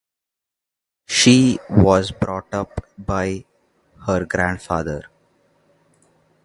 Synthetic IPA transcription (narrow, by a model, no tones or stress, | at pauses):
ʃiːʋɔːzbɾɔːʈʌpbaɪ | həɾɡɾæ̃ɳɖfaːd̪əɾ